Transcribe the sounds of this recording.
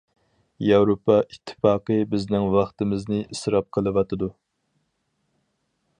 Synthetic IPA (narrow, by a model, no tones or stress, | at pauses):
jɑwɾopʰːɑʔit̪ʰːɨ̥fɑːqɨbɪznɪŋwɑχt̪ɨmɪznɪʔisɾɑp̚qʰəlˠɨwɑt̪ɨd̪u